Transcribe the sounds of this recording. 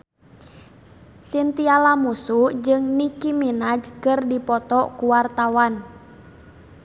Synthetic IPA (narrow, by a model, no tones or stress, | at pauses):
sint̪ialamusud͡ʒɨŋnikiminad͡ʒkɨrdipɔt̪ɔkuwart̪awan